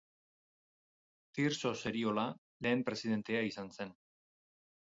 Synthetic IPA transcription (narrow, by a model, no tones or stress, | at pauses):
t̪iɾso̞se̞ɾio̞la | le̞ːmpɾe̞siðe̞nt̪e̞aisanse̞n